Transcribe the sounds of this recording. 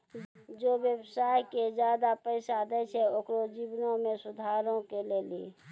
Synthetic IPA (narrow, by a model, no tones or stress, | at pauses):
d͡ʒoːʋjəbsaːjked͡ʒjad̪apəɪsad̪ɛʃʰɛokɾod͡ʒibnõmẽsʊd̪ʱaːɾõkeleːlḛ